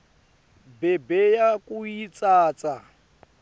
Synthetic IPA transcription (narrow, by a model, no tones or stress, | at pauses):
bɛbɛjakuit͡sʼaːt͡sa